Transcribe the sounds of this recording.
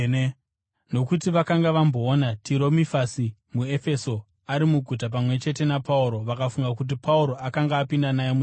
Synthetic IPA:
no̞kutiʋakaŋɡaʋambo̞ːnatʰiɾo̞mifasimue̞fe̞so̞ | aɾimuɡʱut̬ap̬amwe̞t͡ʃe̞te̞napauɾo̞ʋakafuŋɡakut̬ipauɾo̞akaŋɡaːpindanajemu

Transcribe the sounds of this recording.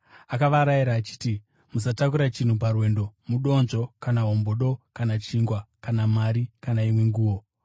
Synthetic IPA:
akaʋaɾaiɾaːt͡ʃi̥ːti | musatakuɾat͡ʃin̤up̬arwe̞ːndo̞muɗo̞nʐo̞kanaɦo̞mboɗo̞kanat͡ʃiŋɡwakanamaɾikanaimwe̞ŋɡuːwo̞

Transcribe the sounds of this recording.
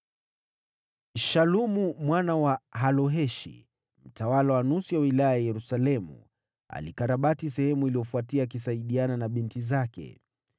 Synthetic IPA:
ʃalumumwanawaɦalɔɦɛʃḭ | m̩tawalawanusiwawilajajajɛɾusalɛmṵ | a̰likaɾaɓatis̬ɛhɛmuiliɔfuatiak̬is̬aiɗiananaɓintizakɛ̰

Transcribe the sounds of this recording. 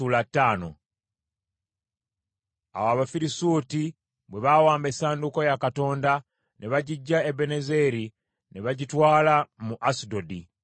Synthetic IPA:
ulatːaːno̰ | a̰waːβafiɾisuːti | bwe̞βawaːmbe̞saːnduko̞jakato̞ːnda | neβaɟiɟːaebe̞neze̞ɾi | neβaɟitwaːlamuʔasido̞di

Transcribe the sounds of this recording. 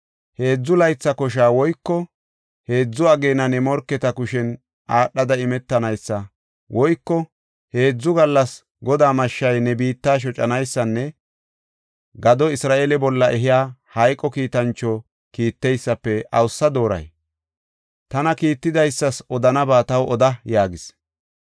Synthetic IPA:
he̞ːd͡zːʊlɐjt͡sːɐkɔʃ̬aːwɔjkːɔ | he̞ːd͡zːʊɐɡeːnɐnɛmɔɾkːɛt̪ɐkʊʃɛn | ʔaːɗːɐd̪ɐɪmɛt̪ːɐnɐjsːɐ | wʔɔjkːɔ | he̞ːd͡zːʊɡɐlːɐs | ɡɔd̪aːmɐʃːɐjnɛbiːt̪ːaːʃ̬ɔt͡ʃʼɐnɐjsːɐnːɛ | ɡɐd̪ɔɪsɾaːʔeːlɛbɔlːɐʔɛɦɪjaːhɐjkʼːɔkiːt̪ɐnt͡ʃːɔ | kiːt̪ːɛjsːɐpːɛʔɐwsːɐd̪o̞ːɾɐ̰j | t̪ɐnɐkiːt̪ːɪd̪ɐjsːɐsɔd̪ɐnɐbaːt̪ɐwʔɔd̪ɐjaːɡɪs

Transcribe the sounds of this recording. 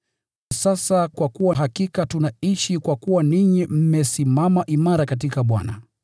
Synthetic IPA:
asasakwakuwaɦakikatunaiʃikwakuwaniɲim̩mɛsimamaʔimaɾakat̬ikaɓwa̰na̰

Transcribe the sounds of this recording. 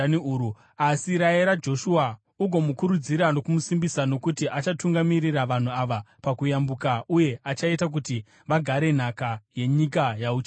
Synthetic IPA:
niuu | asiɾaeɾad͡ʒo̞ʃua | uɡʱo̞mukuɾud͡ziɾano̞kumusimbisano̞kutiʔat͡ʃatuŋɡamiriraʋan̤uaʋapakujambukaʔuje̞ʔat͡ʃaetak̬uti | ʋaɡʱaɾe̞n̤akaje̞ɲikajaut͡ʃ

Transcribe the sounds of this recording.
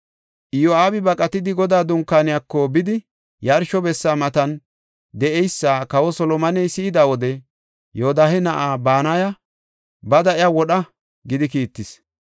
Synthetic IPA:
ʔɪjɔaːbɪbɐkʼɐt̪ɪd̪ɪɡɔd̪aːd̪ʊŋkːaːnɪjakːɔbɪd̪ɪ | jɐɾʃɔbɛsːaːmɐt̪ɐn | d̪ɛʔɛjsːaːkɐwɔsɔlɔmɐnɛjsɪɪd̪aːwɔd̪ɛ | joːd̪aːhɛnɐʔaːbaːnajɐ | bɐd̪ɐʔɪjawɔɗɐ | ɡɪd̪ɪkiːt̪ːɪs

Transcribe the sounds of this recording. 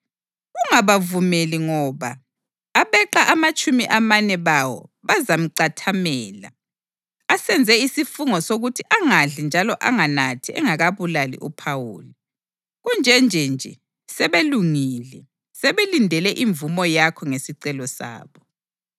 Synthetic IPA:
ɣuŋaβavumeliŋɔβaː | βɛǃaʔamat͡ʃʼumiʔamanɛβawɔ̰βazam̩ǀatʰamɛːla̰ | asɛnd͡zʱɛisifuŋɔsoɣutʰiʔaŋaɮind͡ʒʱalɔʔaŋanatʰiɛ̰ŋaɣaβulalḭʔupʰawṵːli | ɣund͡ʒʱɛnd͡ʒʱɛnd͡ʒʱɛ | sɛβeluŋiːlɛ | sɛβelindʱɛlɛʔiɱvumɔjakʰɔŋesiǀɛlɔsa̰ːβɔ

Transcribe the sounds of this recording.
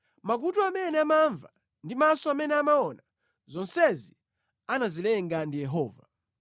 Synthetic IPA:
mak̬utɔamɛnɛamaɱva | ndimasɔamɛnɛamaɔna | zɔnsɛzi | anazilɛŋɡandijɛɦɔːva̰

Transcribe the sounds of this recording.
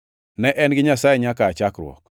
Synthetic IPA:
nɛʔɛnɡɪɲasajɛɲakaːt͡ʃakɾw̰ɔ̰k̚

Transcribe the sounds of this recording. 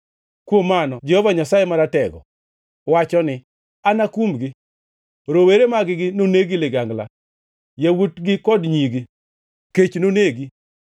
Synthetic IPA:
kwomːanɔd͡ʒɛhɔvaɲasajemaɾatɛɡɔ̰ | wat͡ʃɔnɪ | anakumɡɪ | ɾoweɾemaɡɪɡɪnoneɡilɪɡaŋɡla̰ | jawutɡɪkɔdɲiɡi | ket͡ʃnoneɡi

